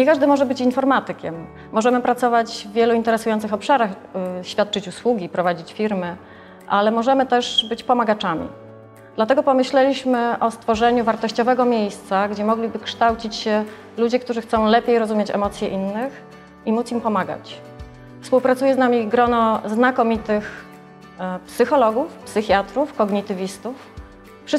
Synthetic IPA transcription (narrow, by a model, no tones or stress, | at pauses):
ɲɛkaʐd̪ɘmɔʐɛbɘt͡ɕinfɔɾmat̪ɘkʲɛmː | ɔʐɛmɘpɾat̪sɔvad͡ʑvːʲjɛluint̪ɛɾɛsujɔnt̪sɨxɔpʂaɾaxɕfʲat̪̚t͡ʂɘt͡ɕuswuɡʲipɾɔvad͡ʑit͡ɕfʲiɾmɘ | ʔalɛmɔʐɛmɘt̪ɛʐbɘt͡ɕpɔmaɡat͡ʂamʲḭ | d̪̥lat̪ɛɡɔpɔmɘɕlɛlʲiɕmɘʔɔst̪fɔʐɛɲuvaɾt̪ɔɕt͡ɕɔvɛɡɔmʲjejst̪saɡd͡ʑɛmɔɡlʲibɘkʂt̪awt͡ɕit͡ɕɕɛ | lud͡ʑɛkt̪uʐɘxt̪sɔ̃w̃lɛpʲejɾɔzumʲjet͡ɕɛ̰mɔt̪sʲjɛʔinːɘx | imut̪simpɔmaɡa̰t͡ɕ | fspuwpɾat̪ujɛznamʲiɡɾɔnɔznakɔmʲit̪ɘx | psɘxɔlɔɡufpsɘxʲjat̪ɾufkɔɡɲit̪ɘvʲist̪uf | ʂɘ